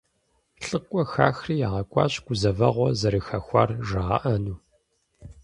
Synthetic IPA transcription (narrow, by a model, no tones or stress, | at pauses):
ɬʼɨkʷʼɔxa̰ːxriːjaʁɐkʷʼɑ̰ːɕʼɡʷʊzɐvɐʁʷɔzɐɾɨxɐxʷɑ̰ːrʒɐʁɐ̰ʔɐnuː